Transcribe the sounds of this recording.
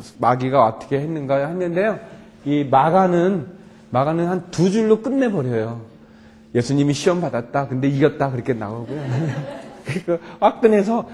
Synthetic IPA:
maɡiɡaʌtʰʌ̥kʰe̞henːɯnɡahenːɯnde̞jo | imaɡanɯn | maɡanɯnhantud͡ʑuɭːok͈ɯnːe̞bʌɾjʌjo | je̞sʰuɲimiɕʰiwʌmbadat̚t͈akɯnde̞iɡʌt̚t͈akɯɾʌkʰena̰ɡʌɡojo | kɯikaɸak̚t͈ɯne̞sʰʌ

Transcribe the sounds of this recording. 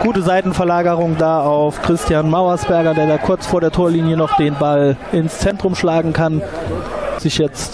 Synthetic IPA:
ɡ̥uːtəzaɪtn̩fɛɐlaːɡɐʁʊŋdaːaʊfkʁ̥ɪstjanmaʊɐsb̥ɛɐɡɐdeːɐdaːkʰʊɐt͡sfoːɐɾeːɐtʰoːɐliːnjənɔχd̥eːnbalɪnst͡sɛntʁ̥ʊmʃlaːɡŋ̩kʰan | z̥ɪçjɛt͡st

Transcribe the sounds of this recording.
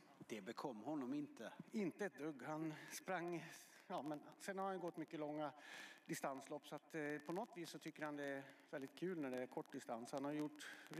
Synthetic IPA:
d̪̥ɛbɛkʰɔmːhɔnːɔmɪnt̪əɪnt̪əɛt̪̚d̪ɵɡːhanspɾaŋː | jɑːmɛnsɛnhaɾhanjɵɡɔt̪ːmʏkːəlɔŋːad̪ɪst̪anslɔpːsɔat̪pʰɔnɔt̪viːsːɔt̪ʰʏkːəɾhand̪ɛæɾvɛld̪ɪt̪̚kʰʉ̟ːlnæɖɛæɾkʰɔʈːd̪ɪst̪anshanhaɾjəjʊʈː

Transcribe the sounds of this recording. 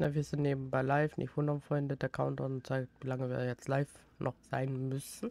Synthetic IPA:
naviːɐz̥ɪntneːbm̩baɪlaɪfnʔɪ̰çvʊndɐnfʁ̥ɔʏndədɛɐkʰaʊntɔʊnt͡saɪk̚tvilaŋəviːɐjɛt͡stlaɪf | nʔɔχz̥a̰ɪnmʏsn̩

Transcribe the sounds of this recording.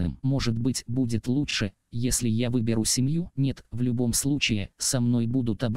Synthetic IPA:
ɨ̰mːo̞ʐɨt̪bɨtʲbudʲɪt̪lˠuʂɨ | jesʲlʲɪjavɨbʲɪɾusʲɪmjunʲe̞t̪vlʲʊbo̞mslˠut͡ɕɪjɪ̰sɐmno̞jbud̪ʊt̪ɐb

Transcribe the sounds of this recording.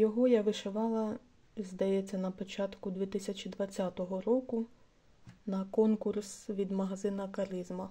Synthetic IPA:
jɔɦɔjaʋɪʃeʋɑlˠɐ | zʲd̪ɐjet͡sʲːɐnɐpɔt͡ʃɑt̪kʊd̪ʲʋʲit̪ɪsʲɐt͡ʃʲid̪ʋɐt͡sʲːat̪ɔɦɔɾɔkʊ | nɐkɔnkursʋʲid̪mɐɦɐzɪnɐkɐɾɪzmɐ

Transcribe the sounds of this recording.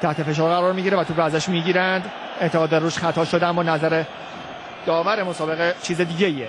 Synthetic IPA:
t̪ʰæht̪ʰe̞fe̞ʃ̬ɒːɾɣæɾɒːɾmiːɟiɾevæt̪ʰuɾææzæʃmiːɟiːɾænd̪ | eʔt̪ʰeɣɒːd̪æɾruːʃχæt̪ʰɒːʃod̪eæmːɒːnæzæɾe | d̪̥ɒːvæɾe̞mo̞sɒːbe̞ɣet͡ʃʰiːzed̪iːɟeie

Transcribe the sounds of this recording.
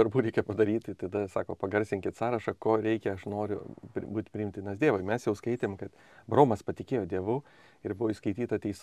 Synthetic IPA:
ɐɾbuːɾʲɛɪkʲɛpɐd̪ɐɾʲiːt̪ʲt̪ɐd̪ɐsɑːkoːpɐɡɐɾʲsʲɪŋʲkʲɪt̪sɑːɾɐʃɐkoːɾʲɛɪkʲɛɐʃnoːɾʲʊ̰pʲbuːt̪ʲpʲɾʲɪɪmt̪ʲɪnɐsd̪ʲeːʋoːɪmʲɛsjɛʊskɐɪt̪ʲeːmkɐt̪ | bɾoːmɐspɐt̪ʲɪkʲeːjoːd̪ʲiɛʋʊ | ɪɾbʊʋoːiʃskɐɪt̪ʲiːt̪ɐt̪ʲɛɪs

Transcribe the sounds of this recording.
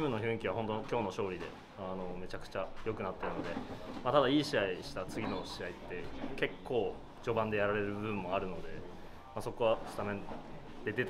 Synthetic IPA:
mɯ̟nːoçɯ̟̃ɰ̃ikʲiβ̞aɦont̪okʲo̞ːno̞ɕo̞ːɾʲid̪e̞̰ | ano̞me̞t͡ɕakɯ̟̥t͡ɕajo̞kɯ̟nat̪ːe̞ɾɯ̟no̞d̪e̞mat̪ad̪aiːɕiaiɕi̥t̪at͡sɨɡʲino̞ɕiait̪ːe̞ke̞kʰːo̞ː | d͡ʑo̞bãnd̪e̞jaɾaɾe̞ɾɯ̟bɯɯ̃mːo̞aɾɯ̟no̞d̪e̞ | maso̞ko̞βast̪amẽ | d̪e̞t̪e̞t̪

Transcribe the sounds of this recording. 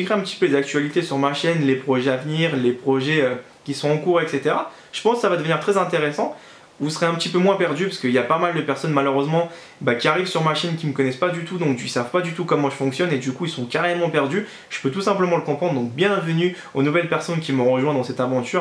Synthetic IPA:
iɡʁeɛ̃pət̪i̥pølezak̚t̪ɥalit̪esyʁmaʃɛnlepχɔʒɛavniːʁlepχɔʒɛø | kʲisɔ̃ɑ̃kuʁɛkset̪eʁa | ʒ̥ə̥pɑ̃sksavad̪əvəniʁt̪χɛzɛ̃t̪eʁesɑ̃ | vusəχeɛ̃pət̪ipømwɛ̃pɛʁd̪ypaskəiljapamald̪əpɛʁsɔnmaløʁøzmɑ̃ | bakʲiaʁivsyʁmaʃɛnkʲiməkɔnɛspad̪yt̪ud̪ɔ̃kisavpad̪yt̪ukɔmɑ̃ʒəfɔ̃ksjɔned̪ykuilsɔ̃kaʁemɑ̃pɛʁd̪y | ʒ̥ə̥pøt̪usɛ̃pləmɑ̃ləkɔ̃pχɑ̃d̪ʁd̪ɔ̃k̚bjɛ̃vəny | onuvɛlpɛʁsɔnkʲiməʁəʒwɛ̃d̪ɑ̃sɛt̪avɑ̃t̪yːʁ

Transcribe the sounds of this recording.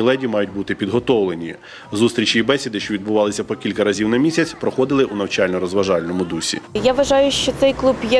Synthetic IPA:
ilˠɛdʲimɑjʊt̚ʲbut̪ɪpʲid̪ɦɔt̪ɔwlenʲi | zust̪ɾʲit͡ʃiːbɛsʲɪd̪ɪʃt͡ʃɔʋʲid̪bʊʋɑlˠɪsʲɐpɔkʲilʲkɐɾɐzʲiwnɐmʲisʲɐt͡sʲpɾɔxɔd̪ɪlˠɪʔunɐwt͡ʃɑlʲnɔɾɔzʋɐʒɑlʲnɔmʊd̪usʲḭjaʋɐʒɑjʊʃt͡ʃɔt̪sɛjklˠubjɛ

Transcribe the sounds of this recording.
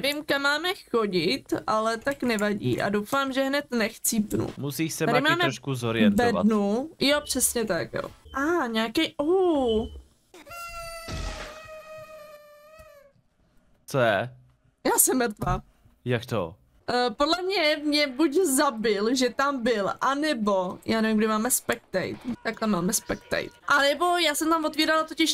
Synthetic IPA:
nɛvɪmkamːaːmɛxo̞ɟɪt̪ʔalɛt̪aknɛvaɟḭːʔa̰dowfaːmʒɛɦnɛt̪nɛxt͡sipnṵmusiːsɛaɾɪmaːmɛɾoʃkuzoɾɪɛnvɛdva̰nujopr̝̥ɛsɲɛt̪akjo̰ʔaːɲaːkɛjʔo | t͡sojɛ | jaːsɛmmɾt̪vaː | jakt̪o̰ | ʔpodlɛmɲɛmɲɛbuczabɪlʒɛt̪ambɪlʔanɛbo̞jʔaːnɛvɪmɡdɪmaːmɛspɛk̚t̪ɛ̰jt̪t̪aklɛmaːmɛspɛkt̪ɛ̰jt̪ʔanɛbo̞jaːsɛmt̪amvo̞t̪viːɾalat̪ocɪʃ

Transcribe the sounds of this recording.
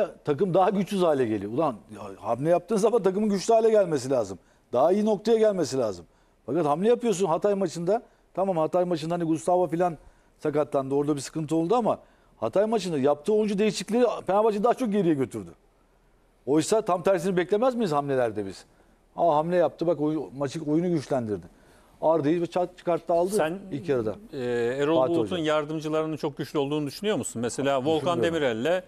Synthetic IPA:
t̪ʰakɯmd̪aɦaɟyt͡ʃ̪yzaːlʲɛɟe̞lʲiulanha̰mlʲɛjap̚t̪ɯːnzamant̪ʰak̬ɯmɯnɟyt͡ʃlʲyaːlʲɛɟælʲmes̬ilʲaːzɯm | d̪aɦaijino̞k̚t̪ʰajaɟælʲme̞s̬ilʲa̰ːzɯm | fakat̪hamlʲɛjapɯjo̞sunɦat̪ʰajmat͡ʃʰɯnd̪a | t̪ʰamaːmhat̪ajmat͡ʃʰɯnd̪ahaniɡust̪avafilʲan | sakat̪ʰːand̪oɾd̪abisɯ̥kɯnt̪ɯo̞lˠd̪uama | ha̰t̪ʰajmat͡ʃɯnd̪ajap̚t̪ʰɯːojund͡ʒud̪e̞jiʃiclʲeɾipenabat͡ʃʰɯnd̪aːat͡ʃʰo̞k̚ɟe̞ɾijɛɟøt̪ʰyɾd̪y | o̞jsat̪ʰamt̪ʰæɾs̬inibɛclʲe̞mæzmijizhamlʲe̞lʲæɾd̪ɛbiz̥ | aɦamlʲɛjap̚t̪ʰɯbakojmat͡ʃɯkojunuɟyt͡ʃlʲænd̪iɾd̪ɪ | aɾd̪ejilvɛt͡ʃʰat͡ʃʰɯ̥kaɾt̪lˠaalˠd̪ɯsænilʲcʰaɾad̪a̰ɛeɾoatut̪ʰunjaɾd̪ɯmd͡ʒɯlˠaɾɯnɯnt͡ʃʰo̞k̚ɟyt͡ʃlʲyolˠd̪uːnud̪yʃynyjo̞ɾmusunmese̞lʲaːvolˠkʰane̞miɾælʲːɛ

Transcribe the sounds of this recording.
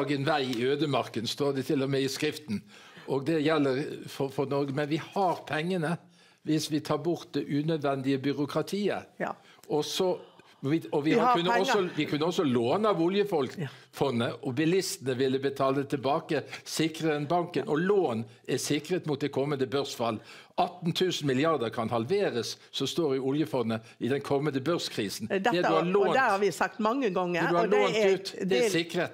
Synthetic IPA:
ɡənʋæɪɪøːd̪əmɑʁkənst̪oːd̪ɛt̪ʰɪlːɔmɛɪskɾɪft̪n̩ʔɔɡd̪ɛjɛlːəɾfɔfɔɾnɔɾɡəmɛnʋɪhɑɾpʰɛŋːənə | ʋɪsʋɪt̪ʰɑːbʊɾt̪̚d̪ɛʔʉnœd̪ʋɛnd̪ɪəbʏɾʊkʰʁɑt̪ʰiːə̰ | ɔsɔ | ɪɔʋɪkʉnːəɔsɔʋɪkʰʉnːəɔsːɔloːnəɑʋʊljəfɔlkfɔnːəʔɔbɪlɪst̪ənəʋɪlːəbət̪ʰɑːlət̪ʰɪlbɑːkəsɪkʁəd̪ɛnbɑŋkənʔɔloːn | ɛsɪkʁət̪mʊt̪̚ɛkʰɔmːənd̪əbœʁsfɑlː | ɑt̪ːn̩t̪ʰʉːsn̩mɪlɪɑʁd̪əɾkʰɑnhɑlʋeːɾəssɔst̪oːɾɪʊljəfɔnːə | ɪd̪ɛnkʰɔmːənd̪əbœʁskʰʁiːsn̩d̪d̪ɛd̪ʉhɑloːd̪æɑʋɪsɑk̚t̪mɑŋːəɡɔŋːəɛʉhɑloːnʉːt̪d̪ɛɛsɪkːʁət̪

